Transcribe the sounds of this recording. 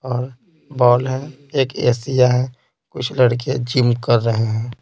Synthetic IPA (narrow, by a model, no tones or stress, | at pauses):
ɔːɾ | bɔːlɦɛ̃ | eːkḛːsijaɦɛ̃ | kʊt͡ʃʰləɽk̬ed͡ʒɪmkəɾːəɦeɦɛ̃ː